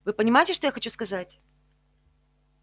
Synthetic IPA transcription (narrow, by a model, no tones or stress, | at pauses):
vɨpənʲɪmajɪtʲɪʂt̪o̞jaxɐt͡ɕuskɐzatʲ